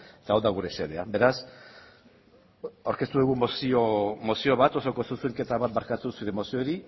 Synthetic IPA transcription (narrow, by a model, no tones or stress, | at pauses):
et̪aawðaɣuɾe̞se̞ðe̞abe̞ɾas | awɾke̞st̪uðuɣumosiomo̞sio̞βat̪o̞soko̞susuŋke̞t̪aβat̪̚baɾkat̪usuɾe̞mo̞sio̞ɾi